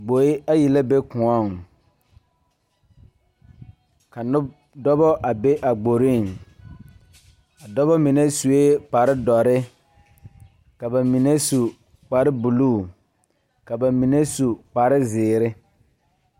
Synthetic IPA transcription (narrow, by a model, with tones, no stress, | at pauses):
ɡ͡bo˨ɪ˦a˦ji˨la˦be˦kʊ̃˨ɔ˦˨ŋ | ka˨nʊ˦ | dɔ˦bɔ˦ʔa˨be˦ʔa˨ɡ͡bo˨ɾi˦˨ŋ | a˨dɔ˦bɔ˦mɪ˨nɛ˦su˨e˦k͡pa˨ɾɪ˦dɔ˨ɾɪ˦ | ka˨ba˨mi˨ne˦su˨ | k͡pa˨ɾɪ˦bu˨luː˦˨ | ka˨ba˨mi˨ne˦su˨k͡pa˨ɾɪ˦zɪː˨ɾɪ˦